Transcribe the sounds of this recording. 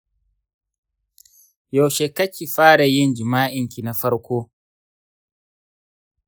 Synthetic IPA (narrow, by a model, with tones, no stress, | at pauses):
jo˨wʃe˨kɐ˦kʲi˨ɸaː˦ɽa˨jɪ˦nd͡ʒɪ˨maː˦ʔɪ˨ŋkʲi˨na˨ɸɐ˦ɽkʷoː˦